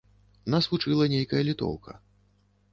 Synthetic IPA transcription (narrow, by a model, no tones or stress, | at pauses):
nasvut͡ʂɨlˠɐnʲejkɐjɐlʲit̪ɔ̰wkʰɐ̰